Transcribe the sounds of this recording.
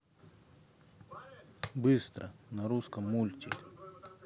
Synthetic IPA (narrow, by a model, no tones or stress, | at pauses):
bɨst̪ɾə̰nɐɾuskəmːulʲt͡ʃʲɪkʲ